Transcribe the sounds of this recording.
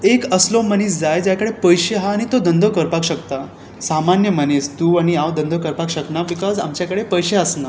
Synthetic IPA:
ekəslomənisd͡zajd͡ʑjakəɽepəjɕeɦaːɽ̃it̪od̪ənd̪ʱokəɾpakɕəkt̪a | samanjəmənest̪uaɽ̃iawd̪ənd̪ʱokəɾpakɕəknabikɔza̰mt͡ɕjakəɽepəjɕeəsna

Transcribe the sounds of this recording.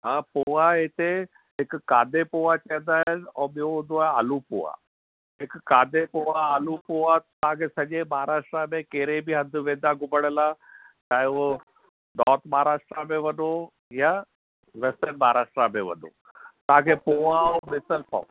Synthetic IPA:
ɦãːpoːaet̪e | ɦɪkkaːd̪ʱepoːat͡ɕɐjə̃nd̪aːɪnɔ̃ːɓijũɦʊ̃nd̪oaːaːlupo̰ːa̰ | ɦɪkkaːd̪ʱepoːaaːlupoːat̪ɐɦãkʰeːsɐʄẽmaːaɾaːʃʈɾamẽkeɦɾebiɦɐ̃nd̪ʱʊʋẽːd̪aɡʱʊməɽ̃əlaː | t͡ɕaːo | nɔːt̪maɦaɾaːʃʈɾamẽʋɐno | ja | ʋɛst̪ənmaːaɾaːʂʈɾamẽʋɐ̰no̰ | t̪ɐãkʰepoːaomɪsəlpa̰o̰

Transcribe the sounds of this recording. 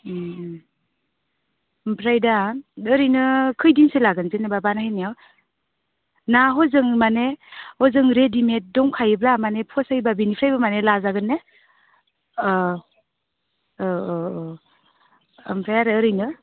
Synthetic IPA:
mpʰɾajdaɯɾɯjnɯkʰɯjdiŋselaɡɯnzenababanahinijaw | naɦɔzɯŋmanehɔzɯŋɾedimet̚dɔŋkʰajɯblamanepʰɔsajbabinipʰɾajbamanelazaɡɯnːe | mpʰɾajaɾɯːɾɯjnɯ

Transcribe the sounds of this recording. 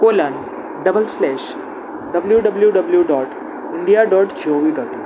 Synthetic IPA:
kolan | ɖəbəlslɛːʃ | ɖəbəljuɖəbljuɖəbljuɖɔːʈ | ɪɳɖijaɖɔːʈd͡ʒoʋidɔːʈ

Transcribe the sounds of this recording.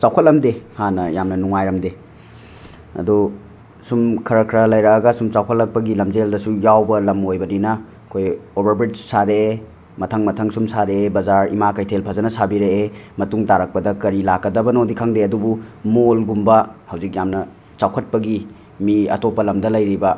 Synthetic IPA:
t͡ʃawkʰɐt̚lɐmdehanɐjamnɐnuŋajɾɐmde | ɐ̰du | sumkʰɐɾɐkʰɾɐlɐjɾɐkɐɡɐsumt͡ʃawkʰɐt̚lɐk̚pɐɡilɐmd͡ʒeldɐsujawbɐlɐmojbɐninɐ | kʰojobɐɾbɾid͡ʒsaɾe | mɐtʰɐŋmɐtʰɐŋsumsaɾeebɐzaɾḭmakɐjtʰelpʰɐzɐnɐsabiɾeemɐtuŋtaɾɐk̚pɐdɐkɐɾilakːɐdɐbɐnodikʰaŋdeɐdubumolɡumbɐhɐwzik̚jamnɐ | t͡ʃawkʰɐt̚pɐɡi | miɐ̰topːɐlɐmdɐlɐjɾibɐ

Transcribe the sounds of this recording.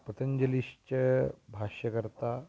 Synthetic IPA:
pɾət̪ʰəɲd͡ʑəliɕt͡ɕəbʱaɕjəkəɾt̪a

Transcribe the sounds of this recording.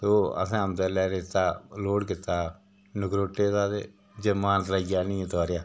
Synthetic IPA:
t̪oːə̰sãːəmt̪ɛːlɛːɾet̪aːloːɽkɪt̪ːaː | nʊkɾoːʈːeːt̪aːd̪ḛː | d͡ʒemaːnt̪ləiːaːnĩːt̪aːɾɪjaː

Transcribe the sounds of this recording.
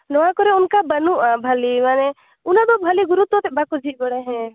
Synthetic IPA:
nɔãkɔɾeʊnkabənuʔabʱəlimane | ʊnãd̪obʱəliɡʊɾut̪ːot̪ebakud͡ʒʱiɡəɽeɦɛ̃

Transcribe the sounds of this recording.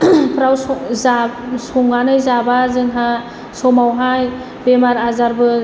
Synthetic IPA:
pʰɾawsɔzasɔŋːanɯjzabazɯŋɦa | sɔmawɦaj | bemaɾazaɾbɯ

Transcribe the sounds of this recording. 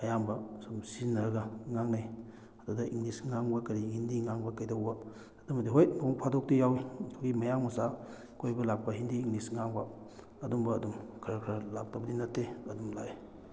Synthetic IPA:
ɐjambɐsumsinːɐɾɐɡɐŋaŋnaj | ɐdudɐḭŋlisŋaŋbɐkɐɾihindiŋaŋbɐkɐjdɐwbɐ | ɐdumɐdiɦojnoŋpʰadok̚tijawitʰoɡimɐjaŋmɐsa | kʰojbɐlak̚pɐɦindiːŋlisŋaŋbɐ | ɐdumbɐːdumkʰɐɾɐkʰɾɐlak̚tɐbɐdinɐtʰːeɐdumlae

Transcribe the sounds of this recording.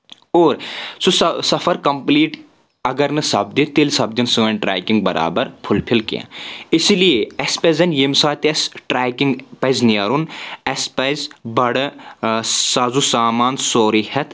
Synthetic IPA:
oːɾsusɐsɐfʰɐɾkɐmpliːʈ | ɐɡɐɾnɨsɐb̚d̪it̪elsɐb̚d̪ɐnsɨʋɐnʈɾa̰ːkiŋɡ̚bɐɾʔa̰ːbɐɾpʰulpʰilkḭã̰ːɪsilijeɛspezɐnjemsaːt̪ɐsʈɾaːkiŋɡpɐznijɐɾunɐspɐzbɐɽ | saːzusaːmaːnsoːɾihɐt̪

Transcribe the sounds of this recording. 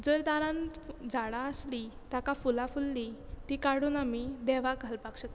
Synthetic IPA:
d͡zəɾd̪aɾãnd͡zʱaɽaəslit̪akafulafulːit̪ikaɽunamid̪ɛʋaɡʱalpakɕək̪

